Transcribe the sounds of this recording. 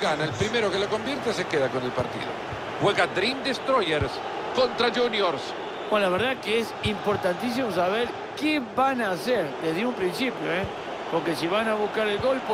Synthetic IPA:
ɡanaelpɾimeɾokelokombjeɾt̪esekeðakonelpa̰ɾt̪ḭðo̰ | weɣad̪ɾind̪est̪ɾojeɾs | kont̪ɾaʒunjoɾs | onlaβ̞eɾðakeesimpoɾt̪ant̪is̬imosaβeɾ | kebanaseɾd̪eðiũmpɾinsipjoe | poɾkesiβ̞anaβuskaɾelɣolp

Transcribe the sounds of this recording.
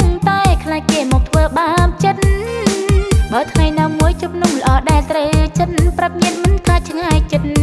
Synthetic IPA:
ŋt̪aɛkʰlaːkeːmɔːk̚t̪ʰʋəːɓaːp̚t͡ɕən | ɓəːt̪ʰŋajnaːmːuəjt͡ɕup̚numlə̆ʔɑːɗaɛlt̪rəwt͡ɕənprəp̚miənmɨnkʰlaːt̪̚t͡ɕʰŋaːjt͡ɕən

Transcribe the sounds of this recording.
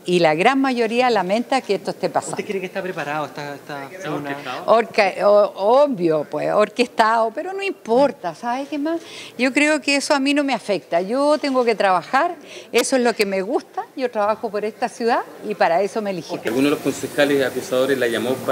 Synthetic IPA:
ilaɣɾanmaʝo̞ɾialamẽ̞nt̪akeeht̪oe̥ht̪epasanekjeɾekest̪apɾepaɾaðoet̪aet̪anoɾkaoombjopwesoɾkest̪aopeɾonoimpoɾt̪asaβekemasʝo̞kɾeokeesoamino̞meafek̚t̪aʝot̪eŋɡoket̪ɾaβaxaɾesoezlo̞kemeɣust̪aʝo̞ʈɾaβaxopo̞ɾest̪asjuðaipaɾae̞so̞meliilɣunoelohko̞nsexalesakusaðoɾeslaʝamop

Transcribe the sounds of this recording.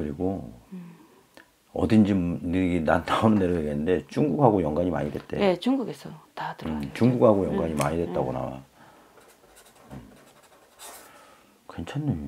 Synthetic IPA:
kɯɾiɡo | ʌ̰dind͡ʑimnɯɡinant͈ʰaunɯnːe̞ɾojeɡjenːɯnde̞t͡ɕuŋɡuk̚haɡojʌŋɡwaɲima̰ɲidwe̞̰t̚t͈e̞̰et͡ɕuŋɡuɡesʰʌtadɯt͡ɕuŋɡukhaɡojʌŋɡwaɲimaɲidwe̞t̚t͈aɡona̰wa̰ | ɯ | kwe̞nt͡ɕʰanːɯm

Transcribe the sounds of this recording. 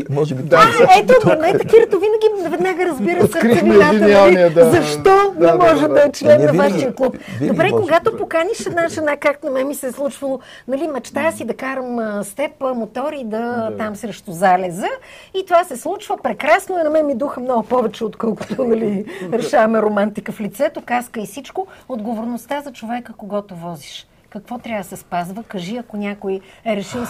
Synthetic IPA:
mɔʒaɛt̪oɐnɛt̪ɐkiɾət̪ovinəɡ̟ʲinvɛd̪naɡəɾɐzbiɾəsɾaiaiizɐʃt̪ɔnɛmɔʒɛmd̪ɐt͡ʃnɛmnɐvaʃiəklˠupd̪obɾɛkoɡat̪opokaniʃɛd̪naʒɛnakaknɐmɛmisɛslˠut͡ʃvɐlˠo | nɐlimɐt͡ʃt̪asid̪ɐkaɾəmst̪ɛpəmot̪ɔɾid̪ɐt̪amsɾɛʃt̪ozalɛzə | it̪ovasɛslˠut͡ʃvəpɾɛkɾasnoɛnɐmɛmid̪uxəmnɔɡʊpɔvɛt͡ʃɛot̪kɔlˠkʊ̥t̪onɐliɾɛʃavɐmɛɾomant̪ikəflit̪sɛt̪okaskəisit͡ʃkood̪ɡovoɾnost̪azɐt͡ʃovɛkəkoɡɔt̪ovɔziʃ | kɐkvɔt̪ɾʲavd̪əsɛspazvəkəʒiɐkonʲakojɛɾɛʃilˠ

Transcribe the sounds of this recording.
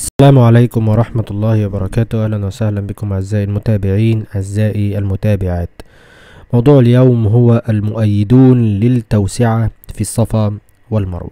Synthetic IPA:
ʔʔasːalaːmʕalajkʊmwɑɾˤɑħmat̪lˤːɑːhɪwɑbɑɾˤɑkaːt̪ʊhʔæhlænwasahlanbɪkʊmaʕɪzːaːʔɪlmʊt̪aːbɪʕiːnʔaʕɪzːaːʔiʔalmʊt̪aːbɪʕaːt̪ | mɑwd̪ˤuːʕaljawmɦʊwaʔalmʊʔajːɪd̪uːnlɪlt̪ːawsɪʕafisˤːɑfɑː | wɪlmɑ̰ɾˤwɑ̰

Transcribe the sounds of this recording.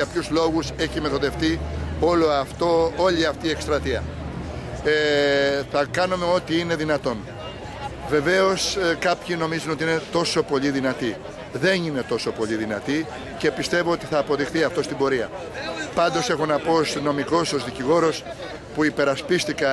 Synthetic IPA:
ɐpçuzlo̞ɣuse̞çime̞θo̞ðe̞ft̪ioloɐft̪oo̞ʎiɐft̪iːe̞kst̪ɾɐt̪iɐ̰ | θɐkɐnume̞o̞t̪iine̞ðinɐt̪o̞n | ve̞ve̞o̞skɐpçino̞mizuno̞t̪iine̞t̪o̞so̞po̞ʎiðinɐt̪i | ðe̞nine̞t̪o̞so̞po̞ʎiðinɐt̪i | ce̞pist̪e̞voo̞t̪i̥θɐːpo̞ðixθiɐft̪o̞st̪ibo̞ɾiɐ̰ | pɐnd̪o̞se̞xonɐpo̞st̪ino̞miko̞so̞zðiciɣo̞ɾo̞s | puipe̞ɾɐspist̪ikɐ

